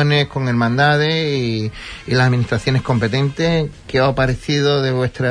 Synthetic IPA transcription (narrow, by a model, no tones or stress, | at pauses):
one̞hko̞ŋe̞ɾmãnd̪aðeiilasaminiht̪ɾaθjo̞ne̞hko̞mpe̞t̪ẽ̞nt̪ekeapaɾeθiðo̞ðeβwe̞st̪ɾa